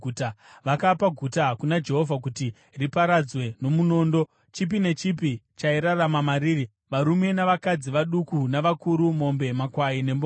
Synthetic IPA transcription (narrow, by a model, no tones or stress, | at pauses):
utaʋakapaɡʱutakunad͡ʒe̞ɦo̞vʱak̬uti | ripaɾad͡zwe̞no̞muno̞ːndo̞ | t͡ʃip̬ine̞t͡ʃipit͡ʃaiɾaramamaɾiːri | ʋaɾume̞naʋakad͡ziʋaɗukunaʋakuɾumo̞mbe̞makwaine̞mbo